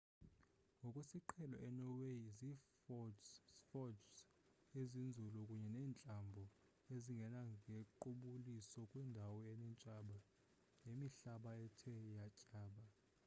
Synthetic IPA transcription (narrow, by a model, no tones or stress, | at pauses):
ŋɡʱɔkʼwesiǃʰɛlɔ̰ʔɛnɔwezi | fɔds | ezind͡zʱulukʼuɲɛnɛːnt͡ɬʼambʱɔ | eziŋɡʱɛnaŋʱeǃuɓulisɔkʼwɛndʱawɔɛnɛnt͡ʃʼaɓa | nemiɬaɓaɛtʰɛjacʼaːɓa